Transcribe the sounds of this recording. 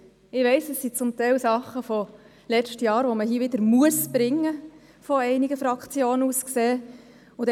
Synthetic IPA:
ɪʋɛɪsɛsːit͡sʊmt̪ɛɪlsɑχːəfɔ | lɛt͡ʃtjɑːɾʋɔməɦiəʋɪd̪əɾmuəsb̥ɾɪŋːə | fɔɛɪniɡəfɾɑkt͡sjoːnəuskseː | ʊd̪ɛ

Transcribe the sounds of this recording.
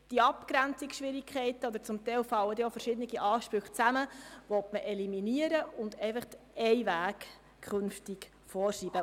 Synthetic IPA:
d̥iɑpkɾænt͡sikʃʋɪɾikʰχɛɪt̪əɔd̪əɾt͡sʊmt̪ɛɪlfɑlːəd̪iofəɾʃɪd̪əniɡiʔɑːʃpɾʉxt͡sæməʋɔtməʔɛliminiəɾəʊnd̪ɛɪfəχt̪ɛɪʋæːkʰ | χɵnftik | fɔːrʃiːb̥ə

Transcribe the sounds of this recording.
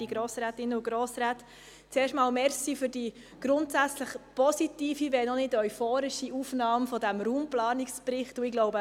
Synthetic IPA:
d̥iɡɾoːsɾæːtɪnːəʊɡɾoːsɾaːt | t͡seːrʃtmɑːlmɛɾsifʏɾd̥i | ɡ̥ɾʊntsæt͡sləχpɔsitiːfiʋɛnɔnɪdœʏfoːɾɪʃiʔuːfnɑːmfɔdæmɾuːmplɑːnɪkspɾɪχtʊɪɡlɔʊbə

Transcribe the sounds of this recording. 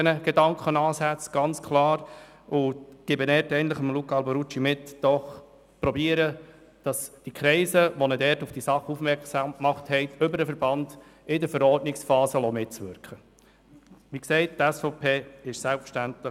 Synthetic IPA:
ɛnəɡ̥ɛdɑŋkχənɑːsæt͡sɡ̥ɑnt͡skʰlɑːɾ | ʊɡ̥ɪbənɛtɛɪən̩tləχəmlukɑlbɔɾut͡ʃimɪtd̥ɔχ | pɾɔbiːəɾə | d̥ɑsd̥ikʰɾɛɪsəʋɔnədɛɾtufd̥isɑχufmɛɾksɑmkmɑχthɛɪtʏbəɾəfəɾbɑnd̥ɪdəɾfəɾɔɾtnɪksfɑːzəlɔmɪtt͡sʋʏɾkχə | ʋiksɛɪttɛsfɔpʰeːɪʃsælpfə̥ʃtæntlə

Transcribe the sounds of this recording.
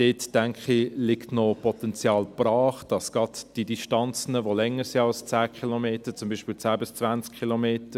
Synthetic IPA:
d̥eːtːæŋkχilɪktnopɔt̪ɛnt͡sjɑːlb̥rɑːχd̥ɑsɡ̥ɑdd̥idiʃtɑnt͡sənəʋolɛŋəɾsiɑlst͡sæːkʰχilomeːtət͡sʊmbiːʃpɪlt͡sæːbɪst͡svænt͡skχilomeːtə

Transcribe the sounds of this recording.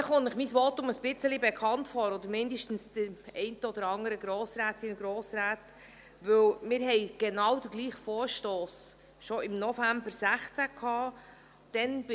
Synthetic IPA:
χʊnɪχmisʋotʊməsb̥ɪt͡səlibɛkʰχɑntfɔːɾɔd̪əɾmɪndəʃtn̩sd̥əɾɛɪntəɔd̥̪əɾɑŋəɾəɡɾoːsɾæːtɪnɡɾoːsɾæːt | ʋɵwmɪːɾɦɛɪɡ̥enɑwd̥əɡliːχfɔːɾʃtoːs | ʃɔɪmnɔfæmbəɾsæχt͡sækʰhɑː | d̥ɛnb̥

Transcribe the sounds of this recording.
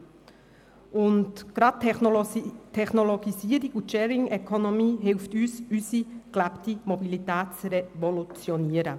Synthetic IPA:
ʔʊntɡ̥ɾɑt̚ | tʰɛχnɔlɔɡ̥isiəɾiɡuʃɛːɾɪŋɛkʰɔnɔmiːɦɪlftyːsysiklæptimɔbilitæːt̚t͡sɾɛvɔlut͡sjɔniəɾə

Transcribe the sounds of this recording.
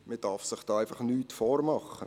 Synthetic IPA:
məd̥ɑɾfsɪχd̥ɑːæɪfɑχnyːtfoːɾmɑχə̰

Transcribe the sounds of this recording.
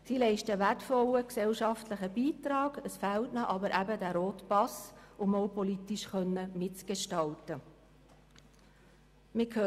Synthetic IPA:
silɛɪʃtəʋætfɔləksɛlʃɑftləχəbiːtɾɑːɡ̥əsfæltnɑʔɑbəɾʔæbədæːɾoːtpɑsʊmowpɔlitiʃχœnːəmɪtt͡sɡ̥eʃtɑltə | mɪkʰø

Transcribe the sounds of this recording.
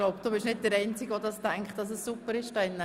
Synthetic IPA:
loʊpd̥uːbɪʃnɪt̚dəɾɛɪnt͡sɪɡʋodɑstæŋkχtd̥ɑs̬əssupːəɾɪʃd̥ɑɪnːə

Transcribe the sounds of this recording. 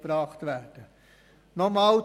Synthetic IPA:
b̥ɾɑːχtʋæd̥ə | nɔmɑːl

